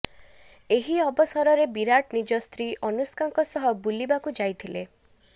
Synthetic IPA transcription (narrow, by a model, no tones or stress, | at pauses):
eɦiɔbɔsɔɾɔɾebiɾaʈnid͡ʒɔst̪ɾiʔɔnuskaŋkɔsɔɦɔbulibakud͡ʒajt̪ʰile